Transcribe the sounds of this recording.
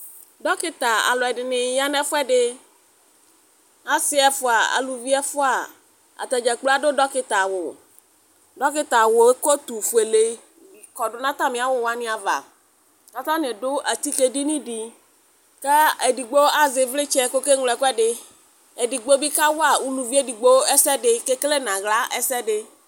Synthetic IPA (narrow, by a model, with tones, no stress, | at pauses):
dɔ˦kɪ˦t̪a˨a̰˨lɔ˨ɛ˨dɪ˨nɪ˨ja˦nɛ̃˦fʊ˦ɛ˦ɖɪ˦ | a˨sɪ˦ɛ˨fʊ˨a˨a̰˨lu˨vi˦ɛ˦fʊ˦a˨ | a̰˨t̪ɛ˨d͡ʒɛ˨k͡pla˦do˦ɖɔ˦kɪ˦t̪a˨wʊ˨ | ɖɔ˦kɪ˦t̪a˨wʊ˨e˦ko˦t̪u˨fʊ˨e˨le˨ | wi˨kɔ˨ɖʊ˦nã˦t̪a˦mɪ̃˨a˨wʊ˨wa˦nɪ̃˦a˨va̰˨ | ka˨t̪ã˦nɪ̃˨dʊ˦ʔa˨t̪i˦ke˦di˦nĩ˦di˨ | kɛ˦e˨di˨ɡ͡bo˦a˦zɪ˨vlɪ˦t͡ʃɛ˦ko˦ke˦ŋlɔ˨ɛ˨kɛ˦ɖɪ˦ | e˨di˨ɡ͡bo˦bi˦ka˦wo˦a˨wu˦lu˨vi˦e˦di˨ɡ͡bo˦ɛ˦sɛ˦dɪ˦ke˦kle˦nã˨ɣla˦ʔɛ˦sɛ˦ɖɪ˦